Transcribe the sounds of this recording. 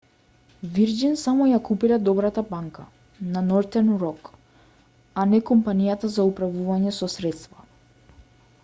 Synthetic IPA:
viɾd͡ʒinsamɔjakupiɾad̪ɔbɾat̪abaŋka | nanɔɾt̪ɛnɾɔk | anɛkɔmpanijat̪azaupɾavuvaɲɛsɔsɾɛt̪st̪va

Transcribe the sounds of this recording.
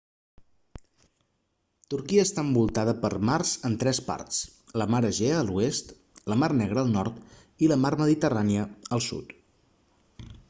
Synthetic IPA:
t̪uɾkiəːst̪aəmbulˠt̪aðəpəɾmarz̥ənt̪ɾɛspa̰ɾt̪t͡sləmaɾəʒeəːluest̪ | ləmarnɛɣ̞ɾəːlˠnɔ̰ɾt̪ | iləmaɾməðit̪əraniəːlˠsṵt̪

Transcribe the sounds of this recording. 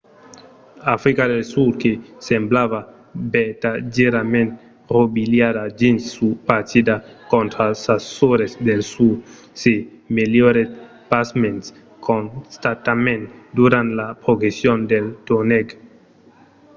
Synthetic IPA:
afɾikaɾesulkesemblava | betad͡ʒeɾament | ɾobiljaɾad͡ʒinupat͡sidakontɾasasoɾesdelsud | se | meljoɾet | pasmens | kʰonstatamẽntduɾanlapɾoɡesiondeltoneɡ

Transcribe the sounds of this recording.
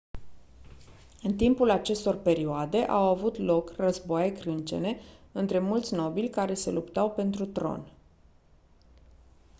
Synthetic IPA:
ɨnt̪impulat͡ʃe̞st̪o̞rpe̞ɾioad̪e̞ʔawavut̪lo̞krəzboajekɾɨnt͡ʃe̞̰ne̞ɨnt̪ɾe̞mult̪sʲno̞bilʲkaɾe̞se̞̰lupt̪awpe̞nt̪ɾut̪ɾo̞̰n

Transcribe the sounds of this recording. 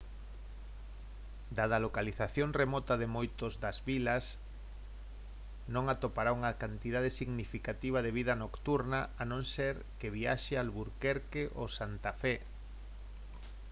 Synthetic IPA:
d̪aðalokaliθaθjoŋremɔt̪ɐðemojt̪ozðɐzβilɐs | nõŋat̪opaɾauŋɐkant̪iðað̞esiɣnifikat̪iβ̞ɐðeβ̞ið̞ɐnokt̪uɾnɐanõŋseɾ | kɪβiaʃealβuɾkeɾkeʔosant̪afɛ

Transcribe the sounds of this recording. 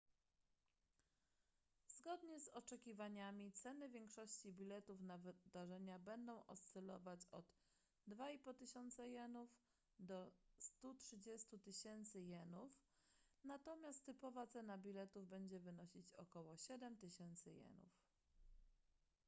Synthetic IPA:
zɡɔd̪ɲɛzɔt͡ʂɛkʲivaɲamʲit̪sɛnɘvʲjɛŋkʂɔɕt͡ɕibʲilɛt̪ufnavɘd̪aʐɛɲabɛnd̪ɔ̃w̃ʔɔ̰st̪sɛlɔ̰vat͡ɕɔd̪ | d̪vaipɔt̪ɘɕɔnt̪sɛjɛnuf | d̪ɔst̪utʂɘd͡ʑɛst̪ut̪ɘɕɛnt̪sɘjɛnufnat̪ɔmʲjast̪ːɘpɔvat̪sɛnabʲilɛt̪uvbɛɲd͡ʑɛvɘnɔɕit͡ɕɔkɔwɔɕɛd̪ɛmt̪ɘɕɛnt̪sɘjɛ̰nṵf

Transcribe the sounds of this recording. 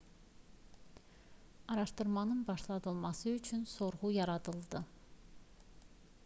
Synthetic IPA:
ɑɾɑʃt̪ɯɾmɑnɯnbɑʃlˠɑd̪ɯlˠmɑsɯyt͡ʃʰynso̞ɾʁujɑɾɑd̪ɯlˠd̪ɯ

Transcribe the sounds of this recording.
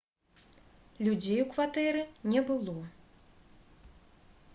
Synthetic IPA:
lʲud͡zʲejukvat̪ɛɾɨnʲɛbɨlˠɔ

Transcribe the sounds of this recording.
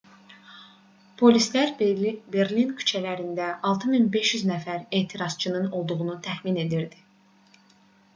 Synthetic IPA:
pʰo̞lislæɾbe̞ɾlinkʰy̥t͡ʃʰælæɾind̪æʔɑlˠt̪ʰɯminbe̞ʃjyznæfæɾe̞ːt̪ʰiɾɑzt͡ʃʰɯnɯno̞lˠd̪uɣunut̪ʰæxmine̞d̪iɾd̪i

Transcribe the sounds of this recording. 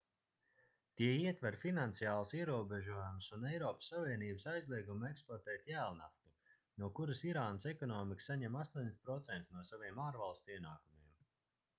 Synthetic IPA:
t̪iɛiɛt̪vɛɾfinant̪sijaːlˠsiɛɾuɔbɛʒuɔjumsunɛjɾɔːpsːaviɛniːbəsajzlˠiɛɡumɛkspɔɾt̪ɛːt̪jæːlˠna̰ft̪u | nuɔkuɾasiɾaːnəsɛkɔnɔːmiksaɲɛmaslˠinspɾɔt̪sɛnt̪snuɔsaviɛmaːɾvalˠst̪uiɛnaːkumiɛm

